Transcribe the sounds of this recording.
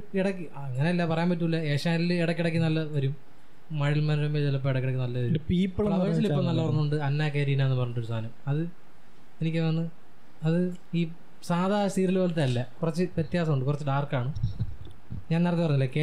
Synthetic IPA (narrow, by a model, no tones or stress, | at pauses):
iɽɐkː | ɐŋːɐneɐlːɐpɐrɐjaːmpɐt̬ːuulːɐeːʂaːnilɨɛɽɐkːiɽɐk̬ʲːɨnɐlːɐʋɐɾumː | ɐɻilmɐnɻɐmet͡ɕɐlːɐp̬ːoːiɽɐkːiɽɐkːunɐlːɐʋɐɾupiːpːɐɭɐɐʋɐɻsilipːomnɐlːɐpɐɲːuuɳɖɨɐnːaːkeːɾiːnaenːɨpɐrɐɲːɐʈ̬ːoɾsʰaːnɐmɐðɨ | enikʲːɨʋɐnːɨ | ɐðɨ | iː | saːðʱaːst̪iːɾilʋolɐt̪ːeɐlːɐkurɐt͡ɕːɨʋjet̪jaːsɐmuɳɖɨkurɐt͡ɕːɨɖaːrkaːɳu | ɲaːnerɐt̪ːipɐɲːilːɐke